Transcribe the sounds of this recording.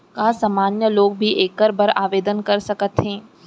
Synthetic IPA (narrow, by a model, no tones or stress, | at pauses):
kaːsaːmaːnjəloːɡ̚bʱiʔeːkːəɾbəɾaːʋeːd̪ənkɐɾsɐkət̪ɦẽː